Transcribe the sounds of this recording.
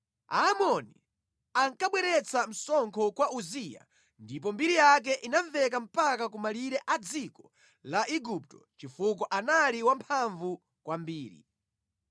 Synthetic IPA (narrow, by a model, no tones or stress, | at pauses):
a̰ːmɔni | aŋkaɓwɛɾɛt͡sam̩sɔŋkʰɔkwaʔuzija̰ | ndip̬ɔmbiɾijak̬ɛʔinaɱvɛkam̩pakakumaliɾɛʔad͡zikɔ | laʔiɡup̚tɔt͡ʃifuk̬ɔʔanaliwampʰaɱvu | kwʔambiːɾḭ